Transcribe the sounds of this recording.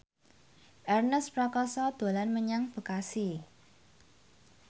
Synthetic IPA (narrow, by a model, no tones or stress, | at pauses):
ʔɛrnəspɾɔkɔsɔd̪̥o̤lanməɲaŋb̥ə̤kasi